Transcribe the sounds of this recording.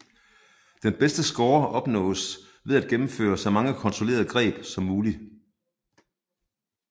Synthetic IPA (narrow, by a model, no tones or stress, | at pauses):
d̥enb̥esd̥əsɡ̥ɒːɐʔɒ̽b̥nɔ̰̽ːs | ʋeæd̥ɡ̥emm̩fø̰ːɐsɑɒmɑ̈ŋəkʰɒ̽nt͡sʰʁo̝le̝̰ːɐðˠəɡ̥ʁɛ̰ːb̥sɒ̽mːuːli